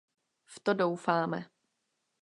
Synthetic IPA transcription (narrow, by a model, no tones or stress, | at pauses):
ft̪odo̞wfaːmɛ̰